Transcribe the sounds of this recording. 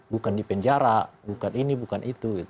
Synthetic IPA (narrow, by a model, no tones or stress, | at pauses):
bukandipɛɲd͡ʒaɾabukaninibukanʔit̪uɡit̪